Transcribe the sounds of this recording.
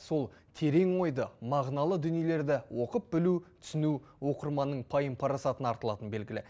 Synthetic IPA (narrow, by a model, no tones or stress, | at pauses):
so̞lˠt̪ʰe̞ɾe̞ŋwo̞jd̪əmɑʁnɑlˠəd̪ʏnijele̞ɾd̪ɪwo̞qəp̚bɪlut̪ʰʏ̥sɪnuwo̞qəɾmɑnːəɴpʰɑjəmpʰɑɾɑsɑt̪ənɑɾt̪əlˠɑt̪ənbe̞lɡʲɪlɪ̰